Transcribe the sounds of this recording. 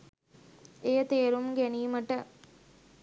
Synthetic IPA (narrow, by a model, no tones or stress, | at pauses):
ejət̪eːɾumɡæniːməʈə